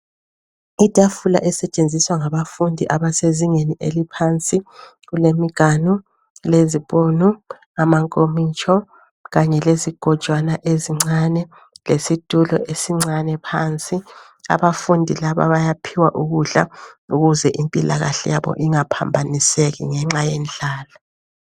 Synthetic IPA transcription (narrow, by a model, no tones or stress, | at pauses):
id̥ʱafula̰ʔɛsɛt͡ʃʼend͡zʱiswaŋaβafundʱiʔaβaseziŋeniʔelipʰant͡sʼi | ɣulemiɡ̥ʱanu | leziβonu | amaŋkʼomit͡ʃʼʰɔ | ɣaɲɛleziɡ̥ʱɔ̥ʒ̥ʱʼwanaʔeziŋ͡ǀanɛ | lesid̥ʱulɔ̰ʔesiŋ͡ǀanɛpʰaːnt͡sʼi | a̰βafundʱilaβa̰βajapʰiwaʔuɣuɮa̰uɣuzɛʔimpʼila̰ɣa̰ɬɛ̰jaβɔ̰ʔiŋapʰa̰mbʱaniseɣḭŋɛŋ͡ǁajend͡ɮʱaːla